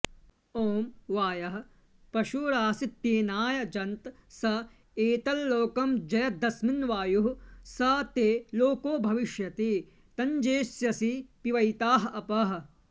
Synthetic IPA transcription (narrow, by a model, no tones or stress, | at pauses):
oːmʋaːjɐɦɐ̆ | pɐʃuːɾaːsit̪jeːnaːjɐd͡ʒɐnt̪sɐ | eːt̪ɐlːoːkɐmd͡ʒɐjɐd̪ɐsminʋaːjuɦusɐt̪eːloːkoːbʱɐʋiʃjɐt̪i | t̪ɐɲd͡ʒeːsjɐsipiʋɐjt̪aːɦɐɐpɐɦɐ